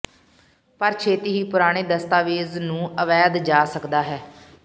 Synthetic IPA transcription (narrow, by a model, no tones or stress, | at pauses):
pəɾt͡ʃʰeːt̪iːɦiːpʊɾaːɽ̃eːd̪əst̪aːʋeːznũːəʋɛːd̪d͡ʒaːsəkd̪aːɦɛː